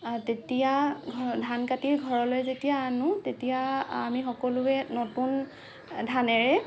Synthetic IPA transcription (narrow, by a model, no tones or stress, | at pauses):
tetijadʱankatiɹɡʱɔɹɔlojzetijaːnʊ̃tetijaa̰mixɔkɔlʊɛnɔtun | dʱanɛɹɛ